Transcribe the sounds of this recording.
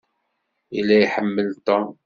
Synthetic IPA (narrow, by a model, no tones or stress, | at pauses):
ilːæjħəmːəlt̪ɔm